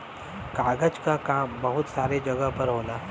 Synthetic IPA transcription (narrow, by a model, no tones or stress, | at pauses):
kaɡət͡ʃkakambəɦut̪saɾed͡ʑəɡəpəɾɦola